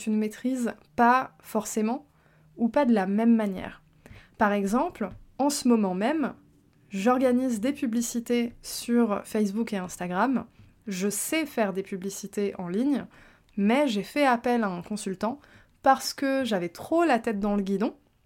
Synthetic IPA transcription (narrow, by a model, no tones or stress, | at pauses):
t̪ynəmet̪χiz | pa | fɔʁsemɑ̃ | upad̪əlamɛmːanjɛ̰ːʁ | paʁɛɡzɑ̃plɑ̃səmɔmɑ̃mɛm | ʒɔʁɡanizd̪epyblisit̪esyʁfɛjsbukeɛ̃st̪aɡʁam | ʒəsɛfɛʁd̪epyblisit̪eʔɑ̃liɲ | mɛʒefɛapɛlaɛ̃kɔ̃sylt̪ɑ̃ | paʁsə̥kəʒavɛt̪χolat̪ɛt̪̚d̪ɑ̃ləɡʲid̪ɔ̃